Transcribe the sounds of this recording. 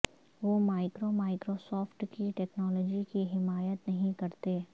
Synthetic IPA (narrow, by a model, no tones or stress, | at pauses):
ʋomaːɪkɾomaːɪkɾosɔːfʈkiʈɛːknɔːlɔːd͡ʒikiɦɪmaːjət̪nɐɦĩkɐɾt̪eː